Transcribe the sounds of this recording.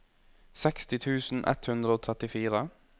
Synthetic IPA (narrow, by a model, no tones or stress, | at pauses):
sɛkst̪ɪt̪ʰʉːsn̩ʔɛ̰t̪hʉnd̪ɾəoːt̪ʰɾɛt̪ɪfiːɾə